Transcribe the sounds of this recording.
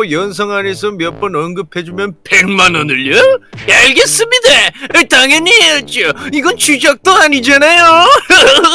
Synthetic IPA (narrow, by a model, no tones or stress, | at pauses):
jʌns̬ʰʌŋanes̬ʰʌmjʌp͈ʌnʌnɡɯpʰe̞d͡ʑumjʌnpeɭmanʌnɯɭʌjaiɭɡes͈ɯmidetaŋjʌɲiɦejʌt̚t͡ɕ͈oiɡʌnt͡ɕud͡ʑak̚t͈oaɲid͡ʑanajo